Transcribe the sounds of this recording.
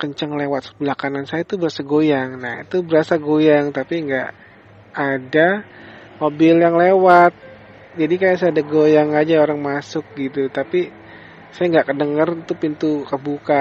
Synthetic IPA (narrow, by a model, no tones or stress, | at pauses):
kəɲt͡ʃəŋlewat̪̚bəlakanansajat̪ubəɾasaɡojaŋnahḭt̪ubəɾasaɡojaŋt̪apiŋɡaʔː | da | mobɪljaŋlewat̪̚ | d͡ʒadikajas̬adaɡojaŋad͡ʒaoɾaŋmasʊk̚ɡit̪ut̪api | sajaŋɡaʔkədəŋərt̪upint̪ukəbuka